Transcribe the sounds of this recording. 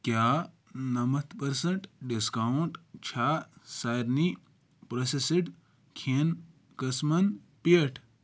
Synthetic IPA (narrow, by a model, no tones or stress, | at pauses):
kjaː | nɐmɐt̪ʰpɐɾsɐɳʈɖiskauɳʈt͡ʃʰaːsaːɾni | pɾosesiɖ | kʰeːn | kɐsmɐn | pieʈʰ